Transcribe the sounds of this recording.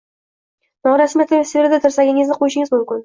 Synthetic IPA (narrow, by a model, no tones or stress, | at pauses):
nɒɴɾasmiet̪ʰːɪvesʲeveɾd̪at̪ʰʊɾsaɡʲɪŋɪzd̪ɪqʰojɪʃɪŋɪzmʊmkʲɪn